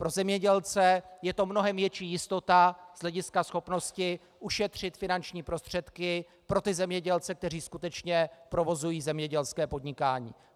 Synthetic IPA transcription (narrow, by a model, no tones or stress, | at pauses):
pɾo̞zɛmɲɛɟɛlt͡sɛjɛt̪o̞mno̞ɦɛmvjɛt͡ʃiːjɪst̪o̞t̪az̥ɦlɛɟɪskasxo̞pno̞scɪ | ʔuʃɛt̪r̝̥ɪt̪fɪnant͡ʃɲiːpɾo̞st̪r̝̥ɛt̪kɪ | pɾo̞t̪ɪzɛmɲɛɟɛlt͡sɛk̚t̪ɛr̝iːskut̪ɛt͡ʃɲɛpɾo̞vo̞zujiːzɛmɲɛɟɛlskɛːpo̞d̪ɲɪkaːɲḭː